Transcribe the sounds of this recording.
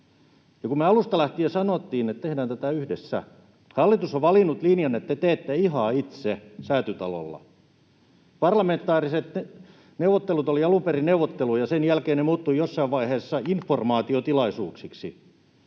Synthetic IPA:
jɑkumeɑlust̪ɑlæht̪iːjɑsɑnot̪ːiːnet̪t̪ehdæːnt̪æt̪æyhdesːæ̰ | hɑlːit̪usoʋʋɑlinːut̪linjɑnet̪ːet̪eːt̪ːeiɦɑit̪sesæːt̪yt̪ɑ̰lo̰lːɑ̰ | pɑrlɑment̪ːˑɑːriset̪ne | neuʋot̪ːelut̪oliɑlumperineuwʋot̪ːelujɑsenjælkeːnnemuːt̪ːuijosːɑiʋʋɑiheːsːɑinformɑːt̪iot̪ilɑisuːksiksḭ

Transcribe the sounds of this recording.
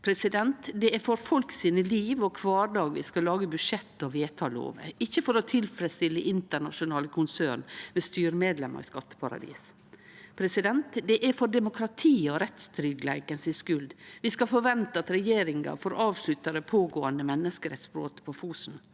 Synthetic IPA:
pʰɾɛsɪd̪ɛnt̪d̪ɛæɾfɔɾfɔlksiːnəliːʋɔkʰʋɑːɖɑːɡʋɪ̰skɑlɑːɡəbʉʂɛt̪ːɔʋeːt̪ʰɑlo̰ːʋə̰ɪçːəfɔɾɔt̪ʰɪlfɾɛst̪ɪlːəʔɪnt̪əɳɑʂʊnɑːləkʰʊnsøːnmɛst̪yːɾmeːd̪lɛmʔɑ̰ɾɪ̰skɑt̪ːə̥pʰɑɾɑ̰d̪ḭːs | pʰɾɛsɪd̪ɛnt̪d̪ɛʔæɾfɔɖɛmʊkʰɾɑt̪ʰiːɔɾɛt̪st̪ɾʏɡlæ̰ɪkənsɪskʉld̪ʋɪskɑfɔɾʋɛnt̪əɑt̪ɾɛjeːɾɪŋɑ̰fɔɾɑːʋslʉt̪əɾəpʰoːɡoːənd̪əmɛnːəskəɾɛt̪spɾo̰ːt̪pʰɔfuːsn̩

